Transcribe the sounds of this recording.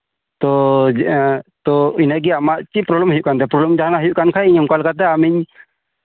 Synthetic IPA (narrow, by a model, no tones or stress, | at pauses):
t̪ɔd͡ʒt̪ɔinaɡɛamaʔt͡ʃipɾɔblɛmɦijuʔkant̪ɛpɾɔblɛmd͡ʒaɦanaɦijuʔkankʰaiɲɔmkalkat̪̬ɛamiɲ